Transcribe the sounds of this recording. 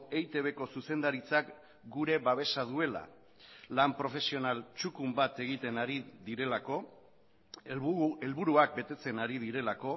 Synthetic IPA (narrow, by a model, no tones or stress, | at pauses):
ejt̪e̞β̞e̞ko̞suse̞nd̪aɾit͡sak | ɡuɾe̞βaβ̞e̞sað̞ue̞la̰ | lampɾo̞fe̞sio̞nalt͡ʃukumbat̪e̞ɣ̞it̪e̞naɾiðiɾe̞lako̞ | elβuɾuak̚be̞t̪e̞t͡se̞naɾið̞iɾe̞lako̞